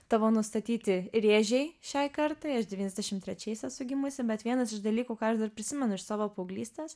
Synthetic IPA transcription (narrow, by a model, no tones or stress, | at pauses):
t̪ɑːʋoːnʊst̪ɐt̪ʲiːt̪ʲɪɾʲeːʒʲɛɪʃʲɛɪkɐɾt̪ɐɪɐʃd̪ʲɛʋʲiːnʲɛzd̪ʲɛʃʲɪmt̪ʲɾʲɛt͡ʃʲɛɪsɛtsʊɡʲɪmʊsʲɪbʲɛt̪ʋʲiɛnɐsɪʃd̪ɐlʲiːkuːkɑːɐʃd̪ɐrpʲɾʲɪsʲɪmʲɛnʊɪʃsɑːʋoːpɐʊɡlʲiːsʲt̪ʲeːs